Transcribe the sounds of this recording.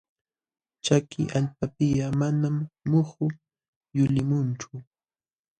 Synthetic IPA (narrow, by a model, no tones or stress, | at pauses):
t͡ʃakɪ̰ʔaʎp̚apɪjamanamːohʊ | jʊlɪmʊnt͡ʃʊ